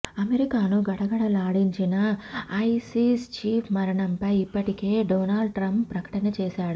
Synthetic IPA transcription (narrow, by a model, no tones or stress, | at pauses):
ɐmeɾikaːnuɡɐɽɐɡɐɽɐlaːɽiɲt͡ʃinɐɐjsiːst͡ʃiːpʰmɐɾɐɳɐmpɐjipːɐʈike̞ːɖoːnaːlɖʈɾɐmpːɾɐkɐ̥ʈɐnɐt͡ʃɛːsaːɽu